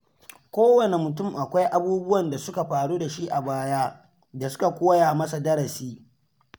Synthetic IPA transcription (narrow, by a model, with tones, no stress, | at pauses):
kʷoː˦wɐ˨ne˨mʊ˨tʊ˦˨mʔa˨kʷa˦jʔa˦buː˦bʊ˦wɐ˨nda˨sʊ˦ka˨ɸaː˨ɽuː˦da˨ʃi˦ʔa˨baː˦jaː˦ | da˨sʊ̥˦ka˨kʷoː˦ja˨mɐ˦sa˨dɐ˦ɾɐ˨siː˦